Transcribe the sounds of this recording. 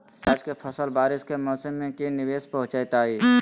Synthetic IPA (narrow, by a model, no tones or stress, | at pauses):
ɾaːd͡ʒkepʰəsəlbaːɾɪskemɔːsəmːẽkinɪʋeːspəɦʊ̃t͡ʃat̪aːiː